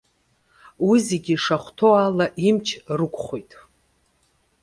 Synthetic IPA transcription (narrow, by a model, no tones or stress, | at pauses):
wiziɡʲiʂaχʷtʰo̞alaʔimt͡ʃʰrɨkʷʰʼχʷojtʼ